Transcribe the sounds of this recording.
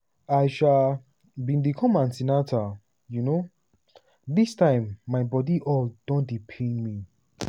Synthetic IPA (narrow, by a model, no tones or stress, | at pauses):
ajʃa | bĩndikʰɔ̃mãnsinatʰa | juno | d̪istãɪ̃mːajbɔdiʔɔld̥ɔ̃ndipʰẽnmi